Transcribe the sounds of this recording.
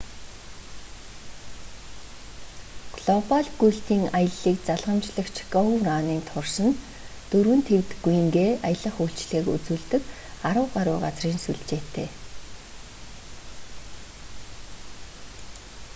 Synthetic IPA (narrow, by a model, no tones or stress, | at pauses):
ɡɮɔpaɮɡujɬt̪iːŋajə̆ɮiːk̚t͡saɮʁə̆mt͡ɕɮə̆xt͡ɕʰɡɔɣraːniːnt̪ʰʊrsə̆n | t̪ɵɾwɘ̆nt̪ʰewt̪ɡuj̆ŋɡeːajə̆ɮə̆χuːɬt͡ɕɮeːkṵt͡suːɮt̪ɘ̆k | aɾə̆wɢaɾʊːɢat͡sriːnsuɮt͡ɕeːt̪ʰeː